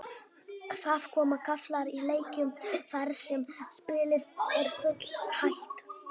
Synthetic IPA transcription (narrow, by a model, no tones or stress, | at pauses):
faːv̥kʰɔːmakʰaflaɾileːjcʏmfaɾsɛmspɪːlɪðɛɾfʏt̪l̥hajht̪